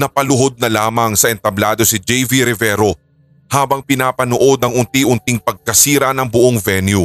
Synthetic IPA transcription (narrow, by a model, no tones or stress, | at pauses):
nɐpɐlʊɦo̞d̪̚nɐlaːmɐŋsɐʔɛnt̪ɐblaːd̪o̞sɪd͡ʒɛjviɾɪvɛːɾo̞ | haːbɐŋpɪnaːpɐnoʔo̞d̪ɐŋʔʊnt̪iʔʊnt̪iŋpɐɡ̚kɐsiːɾɐnɐŋbʊʔoŋvɛnju